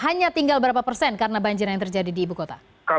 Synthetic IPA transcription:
ɦaɲat̪iŋɡalbəɾapapərsɛnkaɾənabaɲd͡ʒɪɾjaŋt̪ərd͡ʒadidiːbukot̪a | ka

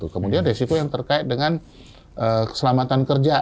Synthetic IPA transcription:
t̪ukəmudianresikojaŋt̪ərkaɪt̪̚dəŋan | ʔəkə̥səlamat̪ankərd͡ʒa

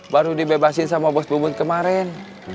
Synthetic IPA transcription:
baɾudibebasinsamabɔsbumut̪̚kəmaɾɛn

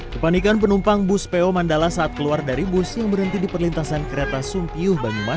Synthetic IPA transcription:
kəpanikanpənumpaŋbʊspeomandalasaʔːt̪̚kəluardaɾibʊsjaŋbəɾənt̪idipərlint̪asankəɾet̪asumpiʊhbaɲuma

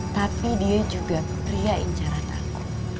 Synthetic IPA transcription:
t̪apidiad͡ʒuɡa | pɾiaɪ̰ɲt͡ʃaɾat̪a̰ku

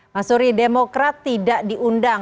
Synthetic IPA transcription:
masuɾidemokɾat̪ːidaʔdiʔundaŋ

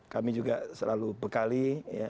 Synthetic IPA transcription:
kamid͡ʒuɡaʔsəlalubəkalija

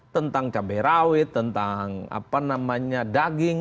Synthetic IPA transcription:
t̪ənt̪aŋt͡ʃabɛɾawɪt̪ːənt̪aŋa̰panamaɲadaɡɪŋ

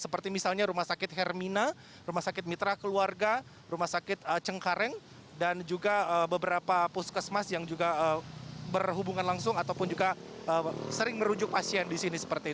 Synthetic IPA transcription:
səpərt̪imisalɲaɾumahsakɪt̪hɛrmina | ɾumahsakɪt̪̚mit̪ɾakəluarɡa | ɾumahsakɪt̪̚ət͡ʃəŋkaɾɛŋ | dand͡ʒuɡaəbəbəɾapapuskəsmasjaŋd͡ʒuɡaəbərɦubuŋanlaŋsʊŋat̪awpʊnd͡ʒuɡaʔəːsəɾɪŋməɾud͡ʒʊk̚pasiɛndisinisə̥pərt̪i

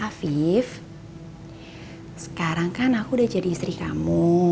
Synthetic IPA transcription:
afif | sə̥kaɾaŋkanakuːdahd͡ʒadiːst̪ɾikamu

